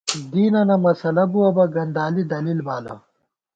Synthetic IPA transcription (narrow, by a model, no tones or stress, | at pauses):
d̪iːnɐnɐmɐsɐlɐbuɐbɐɡɐnd̪aːlid̪ɐliːlbaːlɐ̰